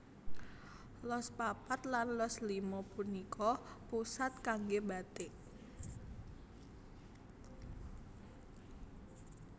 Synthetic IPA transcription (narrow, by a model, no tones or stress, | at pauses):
lɔspapat̪lanlɔslimɔpunikʰɔpusat̪̚kaŋɡebat̪e